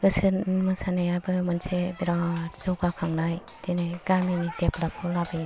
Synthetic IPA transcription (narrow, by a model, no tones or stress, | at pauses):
ɡɯsɯnmɯsanajabɯmɯnsʰebiɾazɔɡakʰaŋlaj | dineɡaminideplap̚ʰɔlabi